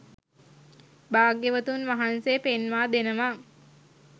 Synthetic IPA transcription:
baːɡeʋət̪unʋaɦansejːpenʋaːd̪enəʋa

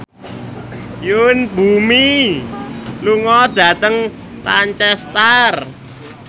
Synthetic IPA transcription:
junbumi | luŋɔd̥ä̤t̪əŋ | paɲt͡ʃɛst̪ər

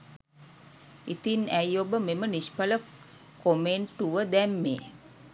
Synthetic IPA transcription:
it̪inæjobəmemənispələ | komeɳʈuʋəd̪ɛmːḛː

